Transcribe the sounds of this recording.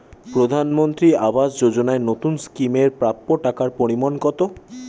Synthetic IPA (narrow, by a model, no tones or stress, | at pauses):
pɾod̪ʱanmont̪ɾiabasd͡ʑod͡ʑonaenot̪unskimeɾpɾapːoʈakaɾpoɾimonkɔt̪o